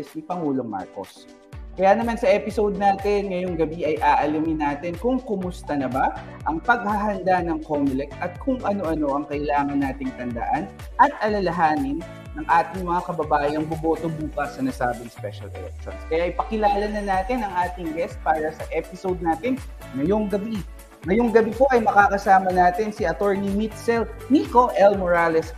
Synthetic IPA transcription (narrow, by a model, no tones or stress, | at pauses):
ɛsnɪpɐŋuːlo̞ŋma̰ɹko̰s | kɐjaːnɐmansɐʔɛpɪsowd̪̚naːt̪ɪnŋɐjoŋɡɐbiʔɐjʔaːʔɐlɐmɪnaːt̪ɪnkʊŋkʊmʊst̪ɐnɐbaʔɐŋpɐɡ̚hɐɦɐnd̪anɐŋkomʊlɛk̚t̪ɐt̪̚kʰʊŋʔɐno̞ʔɐno̞ʔɐŋkɐjlaːŋɐnːaːt̪ɪŋt̪ɐnd̪ɐ̰ʔan | ʔɐt̪ʔɐlɐlɐɦaːnɪnː | ɐŋʔaːt̪ɪŋmɐŋakɐbɐbaːʔɪɐŋbobo̞ːt̪obuːkɐsːɐnɐsaːbɪŋspɛʃɐ̰lɐ̰lɛ̰k̚sɐnskɐjaʔɪjpɐkɪlaːlɐnɐnaːt̪ɪnɐŋʔaːt̪ɪŋɡɛst̪̚paːɾɐsɐʔɛpɪsowd̪̚naːt̪ɪn | ŋɐjo̞ŋɡɐbi | ŋɐjoŋɡɐbipo̞ʔɐjmɐkaːkɐsaːmɐnaːt̪ɪnsɪʔɐt̪oɹnimit̪sɛlniko̞ʔɛlmoɹaːlɛs